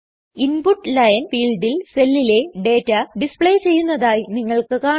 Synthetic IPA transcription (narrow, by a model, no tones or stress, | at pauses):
inpuʈːlɐjɐnfiːɭɖilselːile̞ɖe̞ːtːɐɖispɭejt͡ɕe̞jːunːɐðaːjiniŋːɐɭkɨkaː